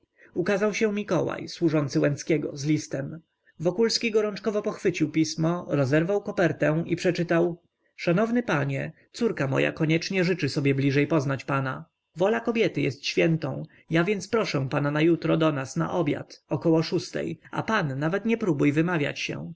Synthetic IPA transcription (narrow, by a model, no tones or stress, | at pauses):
ukazawɕɛmʲikɔwa̰jswuʐɔnt̪sɘwɛ̃nskʲɛɡɔ̰zlʲist̪ɛm | vɔkulskʲiɡɔɾɔnt͡ʂkɔvɔpɔxfɘt͡ɕiwpʲismɔɾɔzɛɾvawkɔpɛɾt̪ɛ̃ipʂɛt͡ʂɘt̪aw | ʂanɔvnɘpaɲɛ̰t̪suɾkamɔ̰ja̰kɔɲɛt͡ʂɲɛʐɘt͡ʂɘsɔbʲjɛblʲiʐɛjpɔznat͡ɕpana | vɔlakɔbʲjɛt̪ɘjɛst̪ɕfʲjɛnt̪ɔ̰̃w̃ | javʲjɛnt̪spɾɔʂɛ̃pananajut̪ɾɔd̪ɔnasna̰ʔɔbʲja̰t̪ɔkɔwɔʂust̪ɛ̰ja̰panːavɛt̪ɲɛpɾubujvɘmavʲja̰t͡ɕɕɛ̰